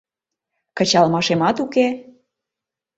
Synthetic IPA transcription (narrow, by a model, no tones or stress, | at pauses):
kə̆t͡ɕɑlmɑʃemɑt̪uke